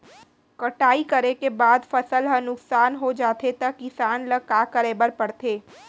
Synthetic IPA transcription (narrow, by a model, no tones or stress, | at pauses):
kəʈaːikəɾekebaːd̪fɐsəlɦənʊksaːnɦod͡ʒaːt̪ʰet̪ɐkːisaːnləkaːkəɾeːbəɾpɐɽt̪eː